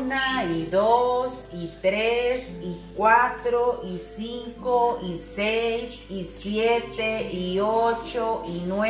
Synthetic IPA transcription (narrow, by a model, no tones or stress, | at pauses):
naiðosit̪ɾesikwat̪ɾoisiŋkoisejs | isjet̪eiot͡ʃoinwe